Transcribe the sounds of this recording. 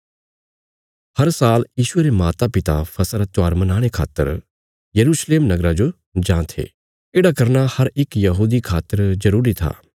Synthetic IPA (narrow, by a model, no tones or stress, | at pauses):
hɐɾsaːljiːʃʊeːɾemaːt̪apɪt̪a̰pʰɐsɾat͡ʃaːɾmɐnaːɽ̃ekʰa̰ːt̪ːə̰ɾ | jɐɾuːʃleːmnɐɡɾad͡ʒo | d͡ʒãːt̪ʰḛː | eːɽakɐɾnahɐɾɪkjɐɦuːd̪ikʰaːt̪əɾzɐɾuːɾit̪ʰa̰ː